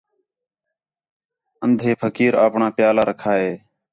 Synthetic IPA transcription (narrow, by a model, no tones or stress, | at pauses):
ənd̪ʱeːpʰəkiːɾaːpɳaːpjaːlaːɾəkʰaːɦeː